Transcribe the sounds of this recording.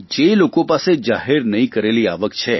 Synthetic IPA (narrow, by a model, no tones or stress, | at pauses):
d͡ʒelokõpased͡ʒaɦeɾnəɦĩkəɾeliaʋəkt͡ʃʰe